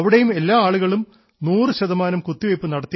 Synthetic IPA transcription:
ɐʋiɽejume̞lːaːaːɭuɣɐɭum | nuːrɨɕɐðɐmaːnɐmkut̪ːiʋɐjpːɨnɐɽɐt̪ːi

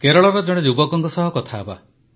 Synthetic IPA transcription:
keɾɔɭɔbed͡ʒɔɽ̃ed͡ʒubɔkɔŋkɔsɔɦɔkɔt̪ʰaeba̰

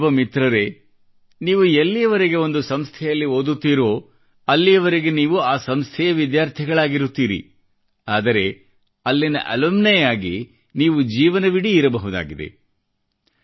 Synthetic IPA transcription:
ʋɐmit̪ɾɐɾe̞ | niːʋuelːijɐʋɐɾeɡe̞o̞nd̪usɐmst̪ʰɛjɐlːiɦoːd̪ut̪ːiːɾoː | ɐlːijɐʋɐɾeɡe̞niːʋuaːsɐmst̪ʰɛjɐʋid̪jaːɾt̪ʰɛɡɐɭaːɡiɾut̪ːiːɾḭ | aːd̪ɐɾe̞ | ɐlːinɐ̰ʔɐlɐmnɛjaːɡi | niːʋud͡ʒiːʋɐnɐʋiɽiːɾɐbɐɦud̪a̰ːɡid̪e̞̰

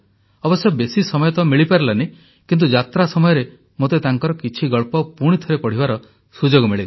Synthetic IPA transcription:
ɔbɔsjɔbesisɔmɔjɔt̪ɔmiɭipaɾelane | kint̪̬ud͡ʒat̪ɾasɔmɔjɔɾe | mot̪et̪aŋkɔɾɔkit͡ʃʰiɡɔɭpɔpuɽ̃it̪ʰɔɾepɔɽ̤ibaɾɔ | sud͡ʒoɡɔmiɭeɡ

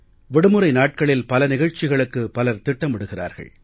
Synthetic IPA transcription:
ʋɪɽɯmɯɾɐɪnaːʈ̚kɐɭɪlpɐlɐnɪɣɐɻt͡ʃːɪɣɐɭɯkːɯpːɐlɐɾt̪ɪʈːɐmɪɽɯɣɪra̰ːɾɣɐ̰ɭ

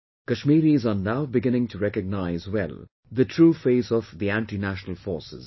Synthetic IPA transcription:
kəʃmiːɾizənaʊbɪɡɪ̃nɪ̃ŋtʰuɾɛkəɡ̚naɪzwɛ̰l | d̪əʈʰɾuːfeɪzɔvd̪iæ̃ɳʈinæʃənəl̩fɔːsɪ̰z̥

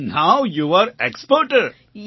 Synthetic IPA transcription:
naʊjuʋəɾekspəɾʈəɾ | j

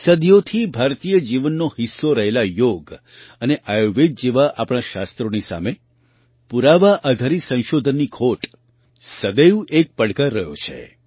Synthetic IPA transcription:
səd̪ijot̪ʰibʱaɾt̪ijəd͡ʒiʋənːohisːoɾəɦelajoɡ | əneʔajoʋed͡ʒd͡ʒeʋaʔapɽ̃aʃa̰st̪ɾonisa̰me | puɾaʋaʔad̪ʱaɾisə̃ʃod̪ʱənːikʰoʈ | səd̪əjũʔek̚pəɽkaɾːəɦjo̰t͡ʃʰḛ

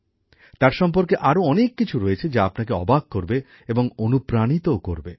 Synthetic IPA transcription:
t̪aɾʃɔmpoɾkeʔaɾoɔnekːit͡ɕʰuɾoet͡ɕʰed͡ʑaapnakeɔ̰baɡ̚koɾbe | eboŋonupɾanit̪ookoɾbe

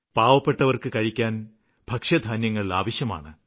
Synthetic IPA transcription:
paːʋɐpːeʈːɐʋɐrkɨkɐɻikʲːaːn | bʱɐkʂɐd̪ʱaːnjɐŋːɐɭilaːʋɐɕjɐma̰ːɳɨ

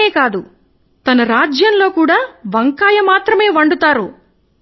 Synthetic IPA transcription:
eːkaːd̪u | t̪ɐnɐɾaːd͡ʒjɐnlo̞ːkuːɽaːʋɐŋkaːjɐmaːt̪ɾɐmeːʋɐɳɖut̪aːɾu

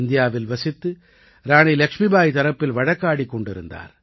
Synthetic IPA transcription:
nd̪ɪjaːʋɪlʋɐsɪt̪ːɯ | ɾaːɳilɐkʂmibaːjt̪ɐɾɐpːɪlʋɐɻɐkːaːɽikːɔɳɖɪɾɯ̰nd̪a̰ːɾ

